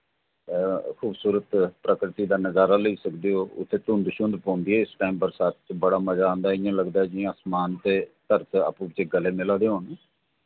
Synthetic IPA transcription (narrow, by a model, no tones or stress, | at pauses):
ɛːkʰuːbsuːɾət̪pɾəkɾɪt̪iːd̪aːnəzaːɾaːləiːsəkd̪eːoːʊ̰t̪ʰːeːt̪ʊ̃nd̪ʃʊ̃nd̪pãːnd̪iːɛːɪsʈaːiːmbəɾsaːt̪̚t͡ʃbəɽaːməzaːõːnd̪aːɪjãːləɡd̪aːɛːd͡ʒiãəsmaːnt̪eːt̪əɾt̪a̰ːpũːʋɪt͡ʃeːɡəleːmɪlaːd̪eːɦoːn